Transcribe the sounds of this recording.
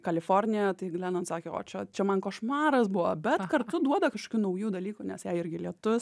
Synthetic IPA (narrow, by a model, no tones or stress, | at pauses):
kɐlʲɪfoɾʲnʲɪjɛt̪ɐɪɡlʲɛːnɐnt̪sɑːkʲeːo̰ːt͡ʃʲɛt͡ʃʲɛmɐnkɐʃmɑːɾɐsbʊʋɐbʲɛt̪kɐrt̪ʊd̪uɔd̪ɐkɐʃko̥ːkʲuːnɐʊjuːd̪ɐlʲiːkunʲɛsjɛɪɪɾʲɡʲɪlʲiɛt̪ʊs